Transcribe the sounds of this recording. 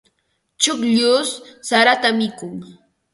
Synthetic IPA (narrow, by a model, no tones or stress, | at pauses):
t͡ʃʊkʎʊsːaɾat̪amɪkʊŋ